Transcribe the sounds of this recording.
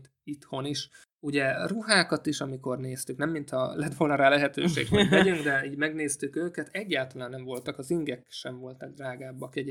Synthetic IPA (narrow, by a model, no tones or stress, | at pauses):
t̪ | it̪ho̞niʃ | uɟɛruɦaːkɒt̪iʃɒmiko̞rneːst̪yknɛmːint̪ʰɒ̰lɛt̪ʋo̞lnɒɾaːlɛɦɛt̪ø̰ːʃḛːɡhoɟʋɛɟyŋɡd̪ɛiːɟmɛɡneːst̪ykøːkɛt̪ɛɟːaːlt̪ɒlaːnːɛɱvo̞lt̪ɒkɒziŋɡɛkʃɛɱvo̞lt̪ɒɡ̚d̪raːɡaːbːɒkɛɟ